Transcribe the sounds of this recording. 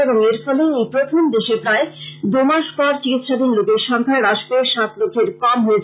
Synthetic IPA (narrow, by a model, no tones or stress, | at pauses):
eboŋeɾfɔleepɾot̪ʰomd̪eʃepɾaed̪umaʃpɔɾt͡ɕikit̪ːʃad̪inlokeʃɔŋkʰaɾaʃpeʃat̪lokʰeɾkɔmɦoet͡ɕʰ